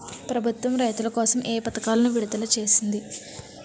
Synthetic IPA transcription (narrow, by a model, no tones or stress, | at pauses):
pɾɐbʱut̪ʋɐmɾɐjt̪ulɐkɔːsɐmʔeːpɐt̪ɐkaːlɐnuʋiɽud̪ɐlɐt͡ʃe̞ːsind̪i